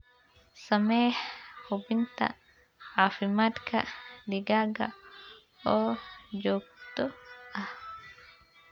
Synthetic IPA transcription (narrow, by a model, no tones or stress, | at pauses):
sɐmɛjħhʊbɪnt̪ʰɐ̰ | ʕaːfɪmaːt̪kʰɐ̰d̪ɪɡaːɡɐ | ɔːd͡ʒɔːɡ̚t̪ɔʔɐh